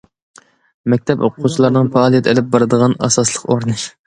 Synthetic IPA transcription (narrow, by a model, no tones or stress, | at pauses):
mɛk̚ʲt̪ʰɛpoqqʰːut͡ʃʰilˠɑɾnɨŋfɑːlˠijɛt̪ʰelɪp̚bɑɾɨd̪əʁɑnɑ̰sɑslˠəqoɾnɨʃ